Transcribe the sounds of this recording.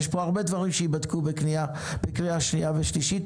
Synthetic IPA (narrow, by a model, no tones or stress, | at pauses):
ʃboaʁbed̪vaʁimʃejibad̪kubeknia | b̥ekʁiaʃnijaveʃliʃit̪